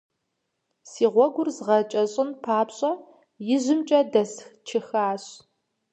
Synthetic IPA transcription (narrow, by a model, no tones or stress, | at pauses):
siːʁʷɔɡʷʊrzʁɐt͡ʃʼɐɕʼɪnpʰaːpɕʼɐ | jɪʑɪmt͡ʃʼɐdɐsxt͡ʃʰɪxaːɕ